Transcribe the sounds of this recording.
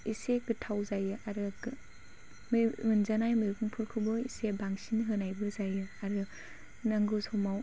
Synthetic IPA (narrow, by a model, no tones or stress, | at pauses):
iseɡɯtʰawzajɯʔaɾɯ | mmɯnzanajmiɾɡuŋpʰuɾkʰɯbɔisebaŋsinɦɯnajbɯzajɯaɾɯ | naŋɡɯsɔmaw